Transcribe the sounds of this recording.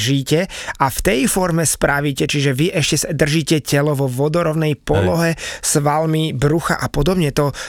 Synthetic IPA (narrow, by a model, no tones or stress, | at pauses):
ʒiːcɛaft̪ɛjfɔɾmɛspɾaʋiːcɛt͡ʃiʒɛʋiʔɛʃcɛsad̪r̩ʒiːcɛcɛlɔʋɔʋɔd̪ɔɾɔʊnɛjpɔlɔɦɛsʋalmibɾuxa̰ʔapɔd̪ɔbɲɛt̪ɔ